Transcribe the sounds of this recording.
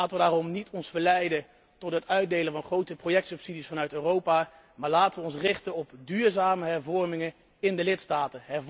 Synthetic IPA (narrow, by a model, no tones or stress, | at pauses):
aːtəʋədaːrɔmnitʰɔnsfəɹlɛjdə | tɔtɦətœɥd̚dejlənvɑnχrowtəprowjɛk̚tsɵpsidisfɑnœɥtøːrowpaː | maːɹlaːtəʋəɔnsrɪχtənɔpdyːɹzaːməɦɛɹvɔɹmɪŋən | ɪndəlɪtstaːtəɦɛr